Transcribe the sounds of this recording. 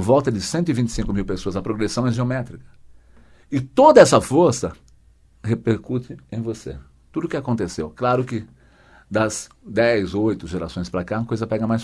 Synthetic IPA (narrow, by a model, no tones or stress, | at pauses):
vɔwt̪ɐd͡ʒ̪ɪsẽnt̪ʊɪvĩnt͡ʃɪ̥sĩŋkʊmiwpesoɐzɐpɾoɡɾesɐ̃w̃ɛʒeomɛt̪ɾikɐ̥ | ɪt̪od̪ɐɛsɐfoɾsɐ | hepeɾkut̪ɪẽj̃vosḛ | t̪ud̪ʊkɪakõnt̪esewklaɾʊkɪ | d̪ɐz | d̪ɛjzojt̪ʊʒeɾasõj̃spɾɐkakojzɐpɛɡɐmajs